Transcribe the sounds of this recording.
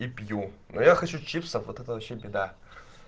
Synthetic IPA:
ipʲjunojaxɐt͡ʃut͡ʃʰipsɐfot̪ʰɛt̪ɐwɐʃebʲed̪a

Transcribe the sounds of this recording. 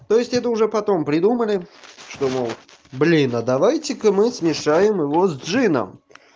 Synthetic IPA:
t̪ojɪsʲtʲɛt̪̬əʊʐɛpɐt̪o̞mpɾʲɪd̪uməlʲɪʂt̪omolˠ | blʲinəd̪ɐvajtʲɪkəmɨsmʲɪʂajɪmjɪvozʲd̪ʐɨnə̰m

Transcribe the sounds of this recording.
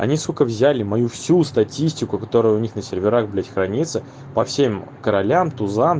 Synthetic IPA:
ɐ̰nʲiskokəvzʲælʲɪmɐjufsʲust̪ɐtʲisʲtʲɪkʊkɐt̪o̞ɾʊjʊʊnʲixnəsʲɪrʲvʲɪɾaɣblʲatʲxɾɐnʲit̪sɨ | pɐfsʲemkəɾɐlʲamt̪ʊzam

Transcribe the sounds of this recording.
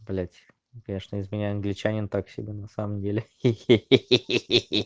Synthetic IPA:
blʲætʲɪ̥ | kɐnʲeʂnəɪzmʲɪnʲæjɐnɡlʲɪt͡ɕænʲɪnt̪aksʲɪ̰bʲenɐsaməmdʲelʲɪ

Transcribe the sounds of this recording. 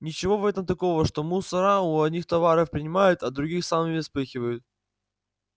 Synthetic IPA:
nʲɪt͡ɕɪvo̞vɛt̪əmt̪ɐko̞vəʂt̪o̞musɐɾaʊɐdʲnʲixt̪ɐvaɾəfpɾʲɪnʲɪmajʊt̪ɐd̪ɾʊɡʲixsamɪɪspɨxʲɪvəjʊt̪̚

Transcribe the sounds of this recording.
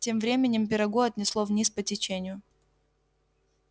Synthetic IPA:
tʲe̞mvɾʲemʲɪnʲɪmp̬ʲɪɾɐɡoɐt̪ʲnʲɪslˠovnʲispətʲɪt͡ɕenʲɪjʊ

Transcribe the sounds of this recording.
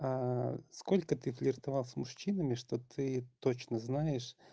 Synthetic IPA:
askolʲkət̪ɨfʲlʲɪrt̪ɐvalˠsʲmʊʂɕinəmʲɪʂt̪ot̪ʰɨt̪ot͡ɕnəznajɪʂ

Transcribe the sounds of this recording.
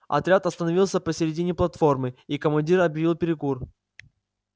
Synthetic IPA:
ɐ̰t̪ɾʲat̪ɐst̪ənɐvʲilˠsʲəpəsʲɪɾʲɪdʲinʲɪplˠɐt̪fo̞rmɨikəmɐnʲdʲiɾɐbjɪvʲilˠpʲɪɾʲɪkur

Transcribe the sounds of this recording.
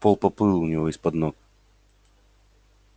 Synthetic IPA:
polˠpɐpɨlˠʊnʲɪvoɪspɐd̪nok

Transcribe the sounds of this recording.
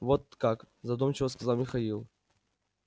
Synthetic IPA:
vot̪̚kak | zɐd̪ɔmt͡ɕɪvəskɐzalˠmʲɪxɐilˠ

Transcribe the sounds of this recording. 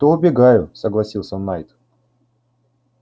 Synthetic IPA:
t̪oʊbʲɪɡajʊsəɡlˠɐsʲilˠsʲənajt̪

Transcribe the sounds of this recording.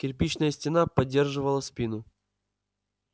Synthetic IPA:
kʲɪrp̬ʲit͡ɕnəjəsʲtʲɪnapɐdʲːerʐɨvəlˠəsʲpʲinʊ

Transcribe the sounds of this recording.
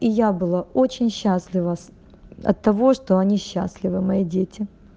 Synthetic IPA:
ijabɨlˠao̞t͡ɕɪnʲɕːasʲlʲɪvə | ɐ̰t̪ːɐvo̞ʂt̪oɐnʲiɕːa̰sʲlʲɪvɨmɐidʲetʲʰɪ

